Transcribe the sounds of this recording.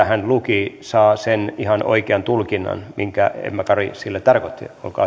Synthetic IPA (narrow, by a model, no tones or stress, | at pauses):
hænlukisɑːsenihɑnʔo̰ikeɑnt̪ulkinːɑ̰nmiŋkæ̰ḛmːækɑrisilːæt̪ɑrkot̪ːḭo̰lkɑ̰ː